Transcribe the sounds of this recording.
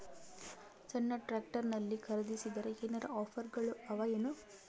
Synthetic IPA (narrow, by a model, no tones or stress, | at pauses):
t͡ʃɐnːɐʈɾaːk̚ʈɐɾnɐlːikʰɐɾɐd̪isid̪ɐɾeɦenɐɾɐɔːpʰɐɾɡɐɭuɐʋɐjɐnu